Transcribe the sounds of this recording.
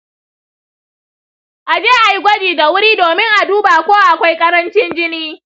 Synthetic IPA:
ʔa˨d͡ʒeː˦ʔa˨ji˦ɡʷɐ˦d͡ʒiː˨da˨wʊ˦ɾiː˦doː˨mɪ˦ŋʔa˨duː˦ba˨kʷoː˦wa˨ʔa˨kʷa˦jkʼɐ˦ɾɐ˦nt͡ʃɪ˦nd͡ʒɪ˦niː˦

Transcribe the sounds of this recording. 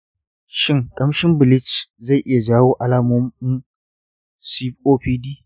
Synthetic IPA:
ʃɪ˦ŋkʼɐ˦mʃɪ˦mbɪ˨lɪ˦t͡ʃza˦˨ʔɪ˦ja˨d͡ʒaː˦woː˦ʔa˨laː˦moː˦mɪ˦n | si˦ɸʔoː˦ɸiː˦diː˦

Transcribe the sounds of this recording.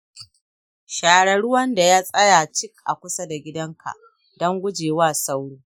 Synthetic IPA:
ʃaː˨ɽɐ˨ɽʊ˦wɐ˦nda˨ja˦sʼɐ˦ja˨t͡ʃɪ˦k̚ʔa̰˨kʷʊ˦sa˦da˨ɡʲɪ˦dɐ˦ŋkʰa̰˨ | dɐ˦ŋɡʷʊ˦d͡ʒeː˨waː˦˨sa˦wɽuː˦

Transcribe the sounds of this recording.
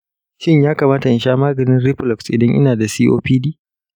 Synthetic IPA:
ʃɪ˦ɲjaː˦ka˨maː˦ta˨ʔɪ˨nʃaː˦maː˦ɡɐ˨nɪ˦nɾi˦ɸlɔ˨ksʔɪ̰˨dɐ˦ɲʔɪ̰˦naː˨da˨siː˦ʔo̰ː˦ɸiː˦diː˦

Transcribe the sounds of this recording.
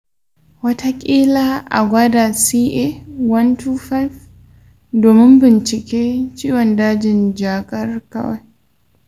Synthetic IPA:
wɐ˦tʰa˦kʲʼiː˦la˦ʔa̰˨ɡʷa˦da˨siː˦ʔe˦wɐ˦ntuː˦fa˦f | doː˨mɪ˦mbɪ˨nt͡ʃɪ˨kʲeː˦t͡ʃiː˦wɔ˨ndaː˦d͡ʒɪ˨nd͡ʒaː˨kʼɐ˦rkɐ̰˦wa̰˦j

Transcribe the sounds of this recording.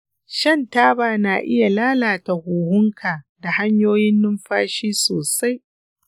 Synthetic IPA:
ʃɐ˦ntaː˦baː˨naː˨ʔɪ˦ja˨laː˦laː˨ta˨huː˨hʊ˦ŋkʰaː˨da˨ha˦ɲjoː˦jɪ˦nːʊ˦mɸaː˦ʃiː˦soː˨sa˦j

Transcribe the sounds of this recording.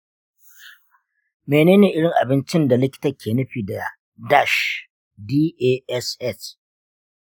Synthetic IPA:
meː˨neː˦neː˨ʔɪ˦ɽɪ˨ŋʔa˨bɪ˦nt͡ʃɪ˦nda˨lɪ˦kʲɪ̥˦tɐ˦˨kʲʰeː˨nʊ˦ɸiː˨da˨ | da˦˨ʃ | diː˦ʔeː˦ɛ˦sʔɛ˦˨s

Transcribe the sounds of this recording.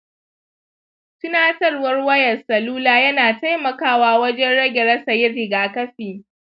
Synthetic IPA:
tʊ˦naː˦tɐ˦rwɐ˦rwɐ˦jɐ˨sɐ˨luː˦laː˨jɐ˦naː˨ta˦jmɐ˨kaː˦waː˦wɐ˦d͡ʒɛ˦nɽɐ˦ɡʲɛ˨ɾɐ˦sɐ˨jɪ˦rɪ˨ɡaː˨kɐ˦ɸiː˨

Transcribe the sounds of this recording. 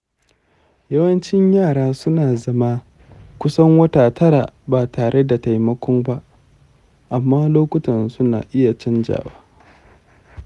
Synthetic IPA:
jɐ˦wɐ˦nt͡ʃɪ˦ɲjaː˦˨ɽaː˦sʊ˦naː˨zɐ˦maː˦ | kʷʊ˦sɐ˦ŋwɐ˦taː˨tɐ˦ɽaː˨baː˨taː˨ɽe˦da˨ta˨jmɐ˦kʷɔ˦mba˦ʔ | ʔa˨mːaː˦loː˦kʷʊ˦tɐ˨nsʊ˦na̰ː˨ʔɪ˦ja˨t͡ʃɐ˦nd͡ʒa̰ː˨waː˦

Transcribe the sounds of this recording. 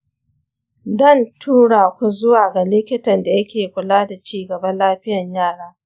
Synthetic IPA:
dɐ˦˨ntʰuː˦ɽaː˨kʷu˦zʊ˦waː˨ɡa˨lɪ˦kʲɪ˦tɐ˨nda˨jɐ˦kʲeː˨kʷʊ˨laː˦da˨t͡ʃiː˦˨ɡɐ˨bɐ˦nlaː˦ɸɪ˦jɐ˨ɲjaː˦˨ɽaː˦

